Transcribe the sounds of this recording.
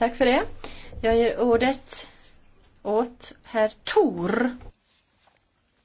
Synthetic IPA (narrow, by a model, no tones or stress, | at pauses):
t̪ʰakːfœɖɛjɑːɡjeːɾʔuːɖət̪ | ʔoːt̪hæɾt̪ʰuːɾ